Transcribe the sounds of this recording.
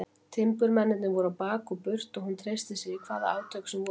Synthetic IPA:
t̪ʰɪmpʏɾmɛnːɪt̪nʏvɔɾawpaːkɔpʏr̥t̪ɔɣɦunt̪ʰɾejst̪ɪsɪɣikʰvaːða̰ant̪ʰœksɛmvɔ

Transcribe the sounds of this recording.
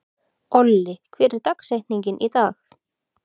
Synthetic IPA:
ɔlːɪkʰvɛːɾɪɾt̪aksejhniɲcɪnʔit̪aːx

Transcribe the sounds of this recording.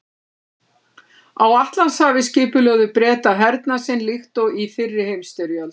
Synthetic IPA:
awaht̪lanshavɪscɪːpʏlœɣðʏpɾɛːt̪aɦɛɾt̪nasɪnlɪxt̪ɔɣifɪrːɪhejmst̪ʏɾjœl

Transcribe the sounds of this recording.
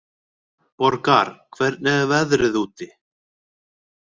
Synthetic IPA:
pɔɾkaɾ̥kʰvɛɾt̪̚nɛðvɛðɾɪðuːt̪ɪ

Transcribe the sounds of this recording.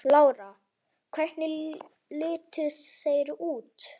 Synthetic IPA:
laːwɾa | kʰvɛr̥t̪nɪ | lɪːt̪ʏsejɾuːt̪

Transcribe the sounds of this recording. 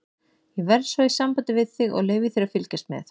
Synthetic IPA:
jɛvɛɾðsvaisampant̪ɪvɪðθɪɣɔ̰ɣleːɥvɪθejɾafɪlcast̪mɛ̰θ

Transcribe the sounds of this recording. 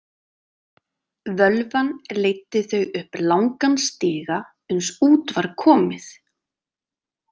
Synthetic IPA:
vœlvanlejt̪ːɪθœɥʏhplawŋkanst̪ɪːɣa | ʏnsuːt̪vaɾ̥kʰɔːmɪθ

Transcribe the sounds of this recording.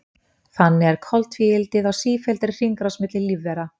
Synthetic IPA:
θanːɪɛɾ̥kʰɔlt̪fiɪlt̪ɪðawsiːfɛlt̪ɪɾr̥iŋkɾasmɪt̪lɪlːivːɛɾa

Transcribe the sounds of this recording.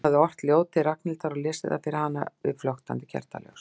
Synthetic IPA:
aðɪɔr̥t̪ljoːwt̪ɪraknɪlt̪aɾɔlɪːsɪða̰fɪɾɪhanːa̰vɪ̰flɔxt̪ant̪ɪ̥cʰɛ̰r̥t̪a̰lɛ̰xs

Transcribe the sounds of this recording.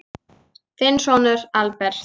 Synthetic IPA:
θɪnsɔnʏɾalpɛɾ̥t̪

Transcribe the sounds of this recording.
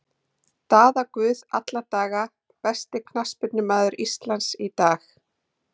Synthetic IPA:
t̪aːðakvʏːða̰t̪lat̪aːɣa | pɛst̪ɪkʰnaspʏt̪nɪmaːðʏɾʔist̪lansit̪aːx

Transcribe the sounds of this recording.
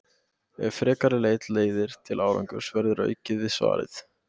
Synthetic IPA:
ɛfɾɛːkaɾɪleːjt̪leːjðɪɾ̥t̪ʰɪlʔaːwɾa̰ŋkʏɾ̥svɛɾðʏɾœ̰ːɥcɪðvɪsva̰ːɾɪ̰θ

